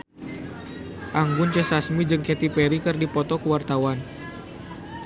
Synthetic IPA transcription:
ʔaŋɡʊnt͡ʃəsasmid͡ʒɨŋkɛt̪ipɛɾikɨrdipɔt̪ɔkəwart̪awan

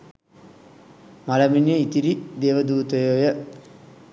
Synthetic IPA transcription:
malɐminjəit̪iɾid̪eːʋəd̪uːt̪əjojə

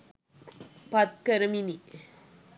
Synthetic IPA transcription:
pɐt̪̚kɐɾɐmini

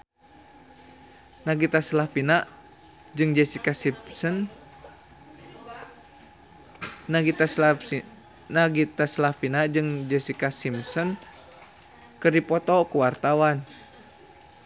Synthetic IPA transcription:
naɡit̪aslafina | d͡ʒɨŋd͡ʒɛsikasipsɔn | naia | naɡit̪aslafinad͡ʒɨŋd͡ʒɛsikasimsɔn | kɨrdipɔt̪ɔkuwart̪awan

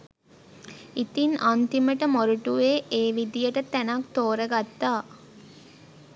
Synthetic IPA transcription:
it̪inʔant̪iməʈəmoɾuʈuʋeːʔeːʋid̪ijəʈət̪ænakt̪oːɾəɡat̪ːaː

